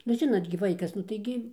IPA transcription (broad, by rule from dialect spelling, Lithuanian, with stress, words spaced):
nʊ ˈʒʲɪnoːt ɡʲɪ ˈʋɐɪkɐs nʊ tɐɪ ˈɡʲɪ